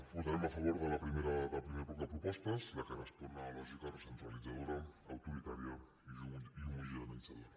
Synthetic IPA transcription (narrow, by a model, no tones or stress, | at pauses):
fut̪aɾemafaβoɾðalapɾimeɾaðapɾimepɔɾðapɾupɔst̪aeslakaɾaspoɾnalɔʒikaresənt̪ɾalid͡zaðoɾaawt̪uɾit̪aɾja | iʒuiumuzianait͡saða